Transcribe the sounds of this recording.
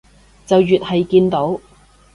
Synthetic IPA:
t͡sɐ˨wjyː˨t̚hɐ˨jkiː˧nt̪o˨˥w

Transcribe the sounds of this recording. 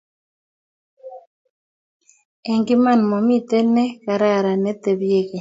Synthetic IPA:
ɛ˨ŋɡɪ˦ma˦˨nmɔ˨mi˦t̪ɛ˦nɛ˦ka˨ɾa˦ɾa˨nɛ˨˦t̪ɛ˨βje˦ɣe˨

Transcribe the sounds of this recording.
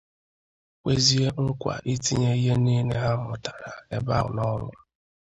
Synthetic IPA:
kʷe˦zi˦e˦ŋ̩˦kʷa̰˨ʔi˦ti˦ɲe˦i˦ɦe˦ni˦ne˦ɦa˦mʊ˨tḁ˨ɾa˨e˦ba̰˦ʊ̰˨nɔ˦lʷʊ˨

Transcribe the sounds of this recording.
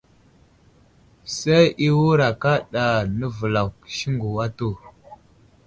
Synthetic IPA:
se˦jʔi˦wu˦ɾa˨ka˦ɗa˨nə˦və˨la˨wkə̥˨ʃi˦ŋɡu˨wa˦to˦˨

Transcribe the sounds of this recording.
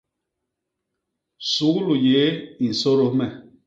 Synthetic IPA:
su˨˦ɣu˦lu˨je˨˦i˨n̩˨so˦ɾo˦mɛ˨

